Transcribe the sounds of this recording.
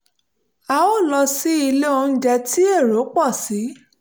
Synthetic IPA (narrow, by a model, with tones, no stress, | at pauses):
a˧o˦˨lɔ˧si˦i˧le˦õ˧n̩˨d͡ʒɛ˧ti˦e˦˨ɾo˨˦k͡pɔ˦˨si˨˦